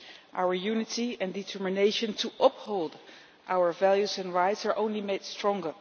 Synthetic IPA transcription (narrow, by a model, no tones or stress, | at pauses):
ʔaʊə˞jʉnɨtiɛ̃ndɨtʰɜ˞mɨneɪʃə̃ntʰuʔʌphoʊlˠd | ʔawə˞vælˠjuzɛ̃nɹaɪtsɑɹʔõʊ̃nlimeɪd̥stɹ̥ɔ̃ŋɡə˞